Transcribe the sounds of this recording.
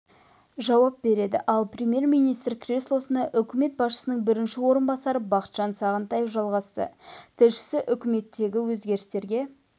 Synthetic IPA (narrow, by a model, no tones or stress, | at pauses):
ʒɑwɑp̚be̞ɾe̞d̪ɪ̰ʔɑlˠprʲemʲje̞ɾmijnijst̪rkrʲeslˠo̞sənɑʔʏkʲʰɪme̞t̪̚bɑsʃə̥sənəɴbɪɾɪnʃɪwo̞ɾənbɑsɑɾəbɑqə̥t̪ʒ̥ɑnsɑʁənt̪ɑjefʒɑlˠʁɑst̪ə̰t̪ʰɪlʃɪ̥sɪʔʏkʲɪme̞t̪ːe̞ɡʲɪwɵzɡʲe̞ɾɪst̪e̞ɾɡʲe̞